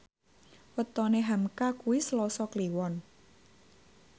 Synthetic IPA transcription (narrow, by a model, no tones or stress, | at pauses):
wət̪ɔneɦamkakuwislɔsɔkliwɔn